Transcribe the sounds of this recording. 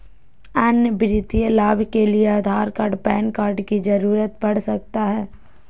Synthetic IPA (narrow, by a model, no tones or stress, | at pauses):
ɐnjəbɾɪt̪ijəlaːbʱkelieaːd̪ʱaːɾkaːɖpɛːnkaːɾɖkid͡ʒɐɾuːɾət̪bɐɽ̤sɐk̚t̪aɦɛː